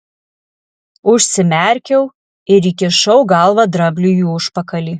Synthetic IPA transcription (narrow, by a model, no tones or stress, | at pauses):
ʊʃʲsʲɪmʲɛˑɾʲkʲɛʊ | ɪɾʲiːkʲɪʃɐʊɡɐlˠʋɐd̪ɾɐbʲlʲujuʊʃpɐkɐlʲiː